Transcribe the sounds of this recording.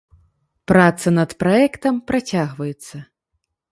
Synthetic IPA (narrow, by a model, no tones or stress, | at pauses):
pɾat̪sɐnɐt̪pɾaɛkt̪ɐmpɾat͡sʲaɣvɐjɛt̪sːɐ